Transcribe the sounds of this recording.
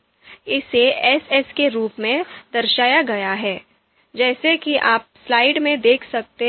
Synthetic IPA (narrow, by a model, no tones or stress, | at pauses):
ɪseɛsɛskeɾuːpmẽd̪ɐɾʃaːjaɡɐjaɦɛː | d͡ʒɛːsekiʔaːp̚slaːɪɖmẽd̪eːkʰsɐk̚t̪e